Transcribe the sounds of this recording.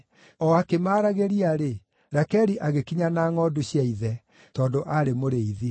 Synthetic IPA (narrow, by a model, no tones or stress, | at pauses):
ɔakemaːɾaɣeɾiaɾe | ɾɛkɛɾiʔaɣekiɲanaːŋɔduɕiaiðɛ | tɔːndoʔaɾemoɾeiði